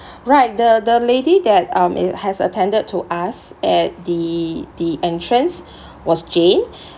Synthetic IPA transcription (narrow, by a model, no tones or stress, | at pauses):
ɹaɪt̚dədəledidɛt̚ãmɪ̰hɛsə̰tʰɛ̃ndəd̚tʰuʔasɛt̚didiʔɛ̃ntʰɹə̃ns | wɔsd͡ʒẽn